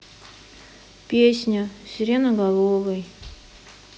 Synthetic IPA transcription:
pʲesʲnʲʊsʲɪɾʲenəɡɐlˠovəj

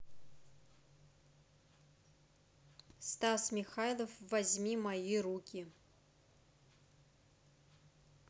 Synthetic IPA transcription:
st̪asmʲixajlˠəfvɐzʲmʲimɐjiɾukʲi

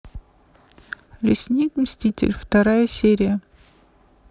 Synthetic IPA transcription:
lʲɪsʲnʲikmsʲtʲitʲɪ̰lʲft̪ɐɾajəsʲeɾʲɪjə

